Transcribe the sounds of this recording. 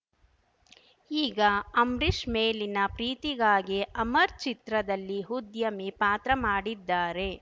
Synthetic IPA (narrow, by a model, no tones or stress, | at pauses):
iːɡɐɐmɾiʂmeːlinɐpɾiːt̪iɡaːɡiʔɐmɐɾt͡ʃit̪ɾɐd̪ɐlːiɦud̪jɐmipaːt̪ɾɐmaːɽid̪ːaːɾe̞